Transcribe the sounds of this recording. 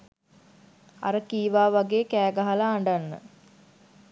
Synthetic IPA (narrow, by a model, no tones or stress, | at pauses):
a̰ɾəkiːʋaːʋaɡeːkæːɡaɦalaːɳɖanːə̰